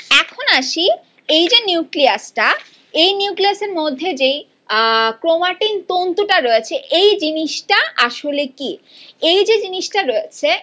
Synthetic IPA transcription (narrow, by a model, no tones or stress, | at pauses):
ɛkʰonaʃi | ejd͡ʑenuukliasʈa | ejniuwkliaseɾmod̪ʱːed͡ʑej | kɾomaʈint̪ont̪oʈaɾoet͡ɕʰeʔejd͡ʑiniʃʈaʔaʃoleki | ejd͡ʑed͡ʑiniʃʈaɾoet͡ɕʰe